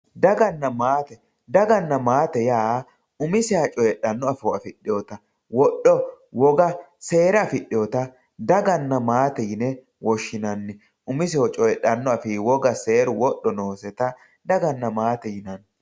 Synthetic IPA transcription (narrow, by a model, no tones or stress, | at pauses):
d̪ɐɡɐnːɐmaːt̪ɛ | d̪ɐɡɐnːɐmaːt̪ɛjaː | ʊmɪsɪat͡ʃʼɔjɛɗːɐnːɔɐfɪwɔɐfɪɗːɪjɔt̪ɐ | wɔɗːɔ | wɔɡɐ | se̞ːɾɐɐfɪɗɪjɔt̪ɐ | d̪ɐɡɐnːɐmaːt̪ɛjɪnɛ | wɔʃːɪnɐnːɪ | ʊmɪsɪwɔt͡ʃʼɔjɛɗːɐnːɔɐfɪwɔɡɐse̞ːɾʊwɔɗːɔnoːsɛt̪ɐ | d̪ɐɡɐnːɐmaːt̪ɛjɪnɐn